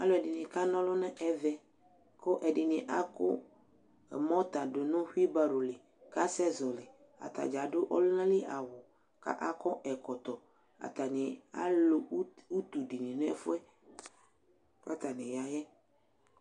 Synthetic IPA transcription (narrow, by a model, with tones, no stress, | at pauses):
a˦lʊ˦ɛ˨dɪ˨nɪ̃˨ka˦nɔ̃˦lʊ˦nɛ̃˦ɛ˦vɛ˨ | kʊ˦ʔɛ˨dɪ˨nɪ̃˨ʔa˦kʊ̰˦ | ɛ˨mɔ̃˦t̪a˨dʊ˨nʊ̃˦ɸu˦i˦ba˦ɾo˨lɪ˨ | ka˦sɛ˦zɔ˨lɪ˨ | a̰˨t̪a̰˨d͡ʒa˨dʊ˦ʔɔ˦lʊ˦nã˦lɪ˦ʔa˨wʊ˨ | ka̰˦ʔa˦kɔ˦ʔɛ˨kɔ˨t̪ɔ˨ | a̰˨t̪a˨nɪ˨a̰˦lʊ˦u˦t̪u˨di˨nĩ˨n˦ɛ̰˦fʊ˦ɛ˦ | ka˦t̪a˨nɪ̃˨ja˨jɛ˦